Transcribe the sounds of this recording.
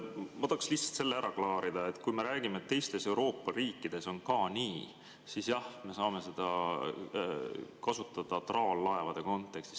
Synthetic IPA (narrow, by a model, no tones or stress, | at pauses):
mod̪̥ɑksliht̪sɑ̥lt̪se̞lːeæɾɑklɑːɾid̪̥ɑe̞t̪ːkujme̞ɾæːɡ̥imeet̪ːe̞jst̪e̞se̞wɾo̞ːpˑːɑɾiːkːid̪̥e̞so̞nkɑːniː | sisjɑhme̞sɑːme̞se̞d̪̥ɑ | kɑsut̪ːˑɑd̪̥ɑt̪rɑolːɑe̞vɑd̪̥e̞ko̞nt̪ːˑe̞kst̪i̥s